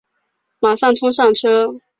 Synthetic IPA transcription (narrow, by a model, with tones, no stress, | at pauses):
ma˨˩ʂɑ˥˩ŋt͡sʰʊ˥ŋʂ̬ɑ˥˩ŋʈ͡ʂʰɤ˥